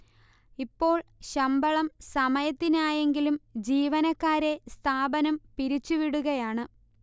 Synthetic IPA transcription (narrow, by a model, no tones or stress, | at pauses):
ipːo̞ːɭɕɐmbɐɭɐmsɐmɐjɐt̪ːinaːje̞ŋɡilumd͡ʑiːʋɐnɐkːaːɾe̞st̪ʰaːbɐnɐmpiɾit͡ɕːuʋiɽuɣɐjaːɳɨ